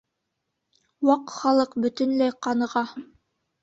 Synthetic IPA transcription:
wɑqχɑlˠɤqbɵ̆t̪ɵ̆nlæjqɑnɤ̆ʁɑ

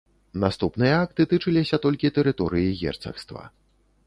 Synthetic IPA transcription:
nast̪upnɨjɐak̚t̪ɨt̪ɨt͡ʂɨlʲisʲɐt̪ɔlʲkʲit̪ɛɾɨt̪ɔɾɨjiɣʲɛ̰rt̪sɐ̰xst̪vɐ̰

